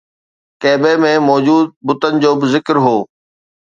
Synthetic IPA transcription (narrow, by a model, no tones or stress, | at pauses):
kɛːbemẽmɔːd͡ʑuːd̪̚bʊt̪ənɪ̆d͡ʑoːbɪzɪkɾɦoː